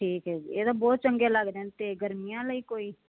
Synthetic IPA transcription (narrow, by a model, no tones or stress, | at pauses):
ʈʰiːkɦɛːeːt̪obɔːt̪̚t͡ʃəŋɡeləɡd̪ẽnt̪eɡəɾmɪjãːləiːkoːiː